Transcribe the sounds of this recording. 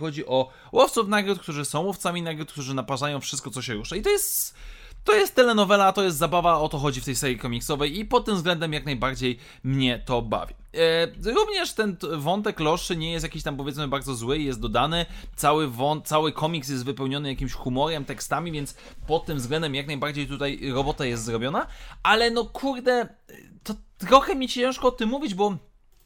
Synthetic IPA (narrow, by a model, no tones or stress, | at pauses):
xɔd͡ʑiʔɔ | wʔɔft̪sufnaɡɾut̪k̚t̪uʐɘsɔ̃w̃wɔft̪samʲinaɡɾut̪kt̪uʐɘnapaʐajɔ̃w̃fʂɘst̪kɔt̪sɔɕɛɾuʂait̪ɔjɛst̪ː | ɔjɛst̪ːɛlɛnɔvɛlat̪ɔjɛst̪zabavaɔt̪ɔxɔd͡ʑift̪ɛjsɛɾʲjikɔmʲiksɔvɛjipɔt̪̚ːɘmzɡlɛnd̪ɛmjaknajbaɾd͡ʑej | mɲɛt̪ɔba̰vʲji | ɾuvɲɛʂt̪ɛnvɔnt̪ɛklɔʂɘɲɛjɛst̪jakʲiɕt̪ampɔvʲjɛt̪smɘbaɾd̪zɔzwɘjɛst̪̚d̪ɔd̪anɘt̪sawɘvɔnt̪sawɘkʰɔmʲiks̬jɛst̪vɘpɛwɲɔnɘjakʲimɕxumɔɾɛmt̪ɛkst̪amʲivʲjɛnts | pɔt̪ːɘmvzɡlɛnd̪ɛmjaknajbaɾd͡ʑejt̪ut̪ajɾɔbɔt̪ajɛst̪zɾɔbʲjɔnaalɛnɔkʰuɾd̪ɛt̪ɔt̪ɾɔxɛmʲit͡ɕit͡ɕɛ̃ʂkɔɔt̪ɨmːuvʲid͡ʑbɔ